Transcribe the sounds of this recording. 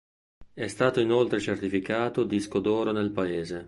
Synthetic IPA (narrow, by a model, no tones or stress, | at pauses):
ɛst̪aːt̪oinolt̪ɾet͡ʃert̪ifikaːt̪od̪iskod̪ɔːɾonelpaeːze